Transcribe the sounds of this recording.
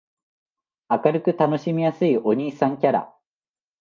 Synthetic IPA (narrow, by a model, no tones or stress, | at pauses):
akaɾɯ̟kɯ̟t̪ano̞ɕimʲijasɨio̞ɲ̟iːsãŋkʲaɾa̰